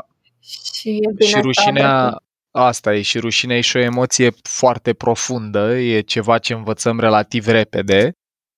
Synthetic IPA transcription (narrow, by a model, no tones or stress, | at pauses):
iʃiɾuʃinea | ast̪aje̞ʃiɾuʃineajeʃio̞e̞mo̞t̪sije̞foart̪e̞pɾo̞fund̪əje̞t͡ʃe̞vat͡ʃe̞ɨnvət̪səmɾe̞lat̪ivɾe̞pe̞d̪e̞